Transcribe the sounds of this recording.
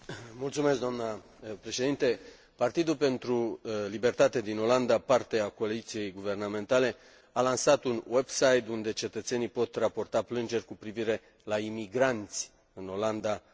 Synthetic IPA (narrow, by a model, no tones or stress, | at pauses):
mult̪sumeskd̪oamnə | pɾe̞ʃe̞d̪int̪e̞ | part̪id̪ulpe̞nt̪ɾulibe̞rt̪at̪ed̪ino̞land̪apart̪e̞ako̞alit̪sije̞jɡuvername̞nt̪ale̞ | alansat̪unwebsajt̪und̪e̞t͡ʃe̞t̪ət̪se̞nijpo̞t̪rapo̞rt̪aplɨnd͡ʒe̞rʲkupɾiviɾe̞ | laimiɡɾant̪sʲ | ɨno̞land̪a